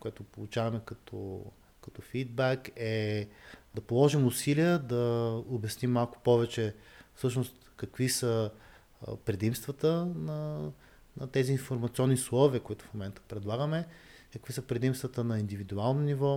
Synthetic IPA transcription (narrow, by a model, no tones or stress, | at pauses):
kʊɛt̪ʊpolˠut͡ʃavɐmɛkɐt̪ʰɔ̰ | kɐt̪ɔfid̪̚bɛkɛ | d̪ɐpolˠɔʒimʊsiliəd̪ɐobʲɐsnimːalˠkʊ̥pɔvɛt͡ʃɛfsɤʃnost̪kɐkvisə | pɾɛd̪imst̪vət̪ənɐ | nɐt̪ɛziːnfoɾmɐt̪siɔnːislˠɔviəkʊit̪ʊ̥fmomɛnt̪ə̥pɾɛd̪lˠaɡəmɛkəkv̥isəpɾɛd̪imst̪vət̪ənɐind̪ivid̪ualˠnonivɔ